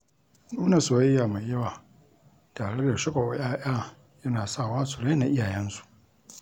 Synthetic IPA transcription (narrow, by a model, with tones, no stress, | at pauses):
nuː˦na˨so˨ɐ˦jːaː˨ma˨jjɐ˦waː˨ | taː˨ɽe˦da˨ʃɐ˦ka˨jaː˦ʔaː˦ | jɐ˦naː˨sa˦˨waː˦su˨ɽa˦na˨ʔɪ˦jaː˨jɛ˦nsu̥˨ʔ